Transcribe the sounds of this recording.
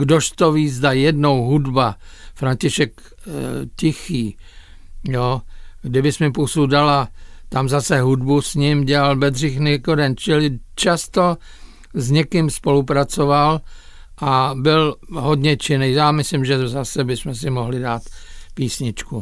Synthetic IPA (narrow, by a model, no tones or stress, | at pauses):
ɡdoʃt̪oviːzd̪ajɛdno̞wɦudbafɾaɲcɪʃɛk | cɪxiː | joɡdɪbɪsmɛpusudalat̪amzasɛɦudbusɲɪmɟɛlalbɛd̪rɪxnɛkoɾɛnt͡ʃɪlɪt͡ʃast̪o | zɲɛkɪmspo̞lupɾat͡so̞val | ʔabɪlɦodɲɛt͡ʃɪnɛjjaːmɪslɪmʒɛzasɛbɪsmɛs̬ɪmoɦlɪdaːt̪piːsɲɪt͡ʃku